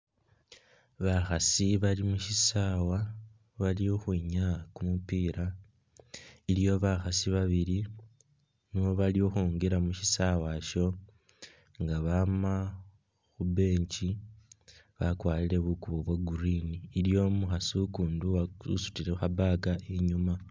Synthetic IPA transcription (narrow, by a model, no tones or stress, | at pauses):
βaxasiβalimuʃisawa | βalioxwiɲakumupiːɾa | ilijo̞βaxasiβaβiɾi | niβo̞βalioxuːŋɡeɾamuʃisawaʃo̞ | ŋɡaβama | xube̞ːɲci | βakwaːliɾe̞βukuβoβwaɡuɾiniːlijo̞muxasukuːnduwaṵsu̥tiɾe̞xabaɡaʔeɲuma